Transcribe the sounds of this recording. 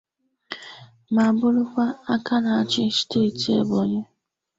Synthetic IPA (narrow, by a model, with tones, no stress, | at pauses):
ma˨bʊ˦lʊ˦kʷa˦a˦ka˦na˨a˨t͡ʃɪ˦ste˦˨ti˨ḛ˨bo˨ɲe˦